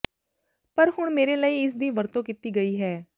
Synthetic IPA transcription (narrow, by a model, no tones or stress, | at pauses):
pəɾhʊɳmeːɾeːləiːɪsd̪iːʋəɾt̪õːkit̪iːɡəiːɦɛː